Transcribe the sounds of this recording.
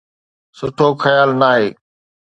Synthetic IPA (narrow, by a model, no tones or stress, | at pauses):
sʊʈʰoːxəjaːlnaːɦeː